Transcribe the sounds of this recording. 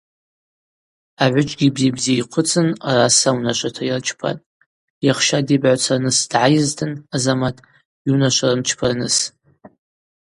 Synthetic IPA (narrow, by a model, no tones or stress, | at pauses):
aʕʷʊt͡ʃʼɡʲibzibzijqʷʰʊt͡sʰʼɨnarasawnaʃʷatʰairt͡ʃʰpʰa̰tʼ | jaχʃadibʕat͡sʰarnɨsd̥ʕajɪztʰɨnazamatʼ | iunaʃʷarɨmt͡ʃʰpʰanɨs